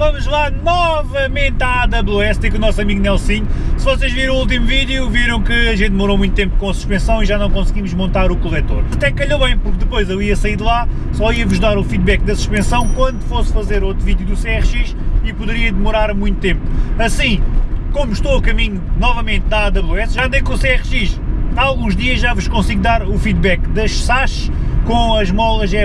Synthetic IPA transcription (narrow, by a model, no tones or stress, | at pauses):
vɐmuʒlˠanɔvɐmẽnt̪aðɐβlˠuɛst̪ikunɔsɐmiɣunɛlˠsiɲsɨvɔseʒviɾ̃ɐ̃ulˠt̪̬imuviðjuviɾɐ̃w̃kɨɐʒẽt̪̚d̪ɨmuɾowmũj̃t̪̚t̪ẽmpu̥kõɐsu̥ʃpẽsɐ̃w̃iʒanɐ̃w̃kõsɡimuʒmõnt̪aɾukulˠɛt̪oɾɐt̪ɛkːɐʎoβɐ̃j̃puɾk̚d̪ɨpojzewiɐsɐiɾðlˠasɔiɐvuʒðaɾufiðβɛk̚d̪ɐsu̥ʃpẽsɐ̃w̃kwɐ̃nd̪ufosfɐzeɾot̪ɾuviðjuðuseɛʁʃiʃipuðɨɾiɐd̪ɨmuɾaɾmũj̃t̪u̥t̪ẽmpu̥ɐsĩkomuʃt̪owɐkɐmiɲunɔvɐmẽnt̪̚naðɐβlˠeɛsʒaɐnd̪ɐjkõuseɛʁʃiʃaalˠɣũʒd̪iɐʒʒavuʃkõsiɣd̪aɾufiðβɛkd̪ɐʃsaʃkõɐʒmɔlˠɐʒɛ